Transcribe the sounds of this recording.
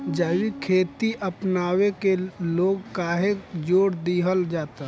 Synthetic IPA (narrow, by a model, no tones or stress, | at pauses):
d͡ʒəʋikʰeːt̪iʔəpnaːwekeloːɡkaːɦed͡ʒoːɽd̪iɦəld͡ʒaːt̪a